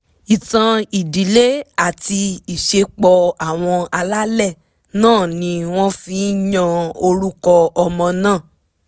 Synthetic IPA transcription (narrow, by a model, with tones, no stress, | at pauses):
i˨tã˧i˨di˨˦le˦a˦˨ti˧i˨ʃe˧k͡pɔ˧a˦˨w̃ɔ̃˧a˧la˦lɛ˦˨ | nãː˦˨nĩ˧w̃ɔ̃˦fĩ˦jã˧o˧ɾu˦kɔ˧ɔ˧mɔ̃˧nãː˦˨